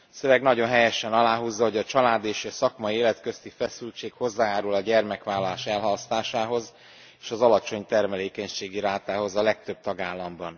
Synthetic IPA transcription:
søvɛɡnɒɟo̞nɦɛjɛʃɛnɒlaːɦuːzːɒɦo̞ɟɒt͡ʃɒlaːd̪eːʃɛsɒkmɒjieːlɛt̪kø̞st̪ifɛsylt͡ʃeːkho̞zːaːjaːɾulɒɟɛrmɛkʋaːlːɒlaːʃɛlɦɒlst̪aːʃaːɦo̞z | eːʃɒzɒlɒt͡ʃo̞ɲt̪ɛrmɛleːkɛɲʃeːɡiɾaːt̪aːɦo̞zɒlɛk̚t̪ø̞b̚t̪ɒɡaːlːɒmbɒn

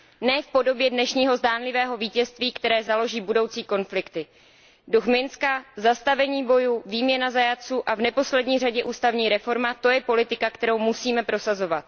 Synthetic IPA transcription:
nɛːfpo̞do̞bjɛdnɛʃɲiːɦo̞zdaːnlɪvɛːɦo̞viːcɛst̪viːkt̪ɛɾɛːzalo̞ʒiːbudo̞wt͡siːko̞nflɪkt̪ɪ | duxmɪnskazast̪avɛɲiːbo̞juviːmɲɛnazajat͡suːʔavnɛpo̞slɛdɲiːraɟɛʔuːst̪avɲiːɾɛfo̞ɾmat̪o̞jɛpo̞lɪt̪ɪkakt̪ɛɾowmusiːmɛpɾo̞sazo̞vat̪̚

